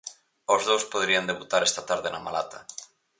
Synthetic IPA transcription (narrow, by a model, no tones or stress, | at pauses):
ozðowspoðɾiand̪eβut̪aɾɛst̪at̪aɾðenama̰la̰t̪a